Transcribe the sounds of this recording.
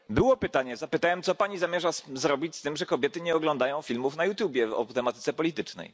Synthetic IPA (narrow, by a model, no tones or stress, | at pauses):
bɘwɔpɘt̪aɲɛzapɘt̪awɛmt̪sɔpaɲizamʲjɛʐazɾɔbʲit͡ɕst̪ɘmʐɛkɔbʲjɛt̪ɘɲɛɔɡlɔ̃nd̪ajɔ̃w̃fʲilmufnajut̪ʲjubʲjɛɔ̰t̪ɛmat̪ɘt̪sɛpɔlʲit̪ɘt͡ʂnɛ̰j